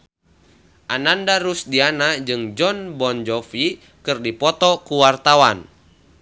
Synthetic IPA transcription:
ʔanandaɾusdianad͡ʒɨŋd͡ʒɔnbɔnd͡ʒɔfi | kɨrdipɔt̪ɔkuwart̪awan

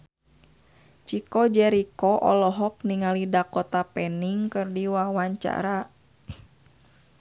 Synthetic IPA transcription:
t͡ʃikɔd͡ʒɛɾikɔʔɔ̰lɔɦɔk̚niŋalidakɔt̪apɛniŋkɨrdiwawaɲt͡ʃa̰ɾa

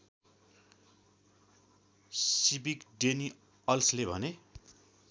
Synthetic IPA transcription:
sibikɖeni | ʌlslebʱʌne

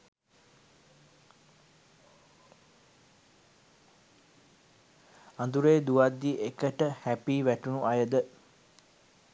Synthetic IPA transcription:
and̪uɾeːd̪uʋad̪ːiʔekəʈəhæpiːʋæʈunuʔajəd̪ə

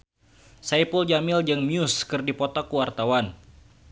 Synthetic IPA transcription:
sajpuld͡ʒamɪld͡ʒəŋmjuskɨrdipɔt̪ɔkːuwart̪awan

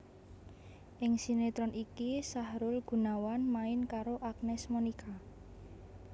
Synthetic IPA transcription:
ʔɪŋsinet̪ɾɔnikisahɾʊlɡ̥ṳnawanmaɪnkaɾoʔaknɛsmunikʰa

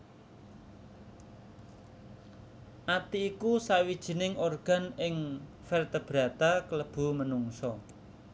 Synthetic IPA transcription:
ʔat̪iːkusawid̥ʒ̥i̤nɪŋʔorɡ̥a̤nɪŋ | fɛrt̪əb̥ɾä̤t̪akələb̥ṳmənuŋsɔ

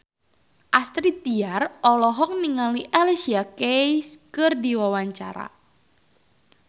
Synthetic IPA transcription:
ʔast̪ɾit̪iarɔlɔɦɔk̚niŋaliʔalsiakeskɨrdiwawaɲt͡ʃa̰ɾa̰

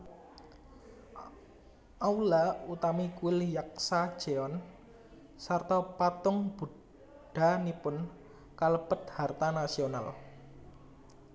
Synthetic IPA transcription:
ʔawlaut̪amikuɪljak̚sḁʒ̥eɔn | sart̪ɔpat̪ʊŋb̥ṳ | ɖ̥a̤nipʊn | kaləb̥ət̪̚hart̪anasional

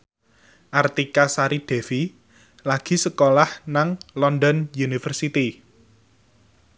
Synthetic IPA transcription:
ʔart̪ikasaɾid̪̥ɛ̤fi | laɡ̥i̤səkolahnaŋlɔnd̪ɔnjunifərsit̪i

